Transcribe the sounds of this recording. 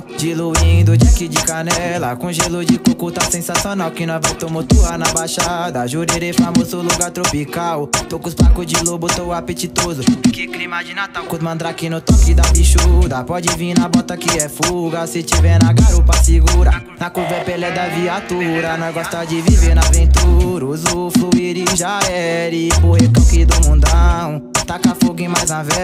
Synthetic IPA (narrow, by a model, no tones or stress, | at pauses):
d͡ʒɪluĩd̪ʊd͡ʒakid͡ʒɪkanɛlɐkõʒelʊd͡ʒɪkukut̪asẽsasionawkɪnɐ̃w̃vajt̪õmot̪uaɾnɐbajʃad̪ɐʒuɾeɾefamozʊluɡaɾt̪ɾopikawt̪okʊspakʊzd͡ʒɪlobʊt̪owapet͡ʃit̪ozʊkɪklɾĩmɐd͡ʒɪnat̪awkʊmɐ̃nd̪ɾakinʊt̪ɔkɪd̪abiʃud̪ɐpɔd͡ʒɪvĩnɐbɔt̪ɐkɪɛfuɡɐsɪt͡ʃivɛnaɡaɾupɐsiɡuɾɐ | nakuvɛpɛlɛd̪ɐviat̪uɾɐnɐ̃w̃ɡɔst̪ad͡ʒɪviveɾnavẽnt̪uɾuzʊfluiɾiʒaɛɾɪpoekɐ̃wkɪd̪ʊmũd̪ɐw̃t̪akafoɡẽmajznavɛ